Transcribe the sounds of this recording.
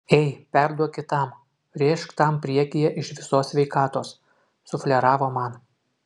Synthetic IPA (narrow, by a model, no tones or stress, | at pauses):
ɛɪpʲæɾd̪uɔkʲɪt̪ɑˑm | ɾʲeʃkt̪ɑmpʲɾʲiɛkʲɪjɛʔɪʃʋʲɪsoːsʲʋʲɛɪkɑːt̪oːs | sʊfʲlʲɛɾɑːʋoːmɑn